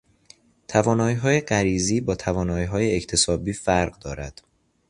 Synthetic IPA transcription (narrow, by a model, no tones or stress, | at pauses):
t̪ʰævɒːnɒːjiɦɒːjeɢæɾiːziːbɒːt̪ʰævɒːnɒːjiːɦɒːjeect̪ʰe̞sɒːbiːfæɾɢd̪ɒːɾæ̰d̪̥